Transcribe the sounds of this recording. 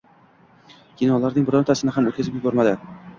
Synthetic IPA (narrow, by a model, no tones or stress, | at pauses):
kʲʰinɒlˠaɾnɪŋbʊɾɒnt̪ʰasɪnɪɦamot̪̚kʰʲazɪpjʊbɒɾmad̪ɪ